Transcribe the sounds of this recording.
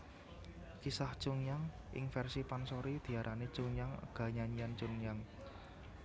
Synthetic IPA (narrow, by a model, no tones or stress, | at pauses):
kisaht͡ʃuŋjaŋ | ʔɪ̰ŋfɛrsipansoɾid̪̥i̤aɾʔani̥t͡ʃuŋjaŋə̰ɡ̥ä̤ɲaɲiant͡ʃuŋjaŋ